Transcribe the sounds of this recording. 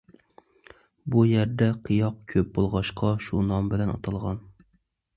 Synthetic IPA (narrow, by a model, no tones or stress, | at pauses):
bujæɾd̪ɛqʰijɑq̚kʲʰøp̚bolˠʁɑʃqʰɑʃunɑmbɪlɛnɑ̰t̪ʰɑlˠʁɑn